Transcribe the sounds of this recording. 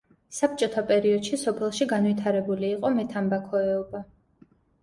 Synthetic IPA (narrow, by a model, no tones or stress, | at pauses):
sap̚t͡ʃʼɔt̪ʰapʼɛɾiɔd̪̥ʃisɔpʰɛlˠʃiɡanwit̪ʰaɾɛbuliːqʼɔmɛt̪ʰambakʰɔɛɔba